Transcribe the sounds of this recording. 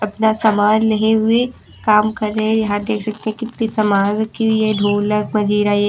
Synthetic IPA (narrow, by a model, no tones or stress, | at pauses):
ɐpnasɐmaːd͡ʒlɐɦeɦʊe | kaːmkɐɾːɐɦẽjɐɦãd̪eːkʰsɐk̚t̪ẽɦɛ̃kɪt̪ːisɐmaːʋkjeɖʱoːləkmɐd͡ʒiːɾaje